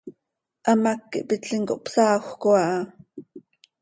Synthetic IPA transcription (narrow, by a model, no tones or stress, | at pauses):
ʔamakːḭʔpitɬiŋkoʔpsɑːxʷkoɑʔɑ